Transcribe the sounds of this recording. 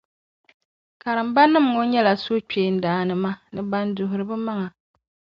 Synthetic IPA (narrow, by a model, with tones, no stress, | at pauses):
ka˨ɾɨ˨mba˦nːɨ˦mŋo˦ɲɛ˦la˨so˦t͡ʃeː˨˦˨n̩˦daː˨˦nɨ˨ma˦nɨ˦ba˦ndʊ˨ɦʊ˨ɾɨ˨bɨ˦ma˦ŋa˨